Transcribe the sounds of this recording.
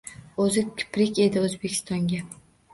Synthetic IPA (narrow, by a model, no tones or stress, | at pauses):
ɵzɪkʲʰɪ̥pɾɪkʲe̞d̪ɪɵzbekʲʰɪ̥st̪ɒŋɡʲa